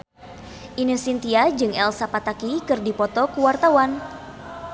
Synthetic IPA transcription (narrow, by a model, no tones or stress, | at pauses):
ʔinɨsint̪iad͡ʒɨŋɛlsapat̪akikɨrdipɔt̪ɔkuwart̪awan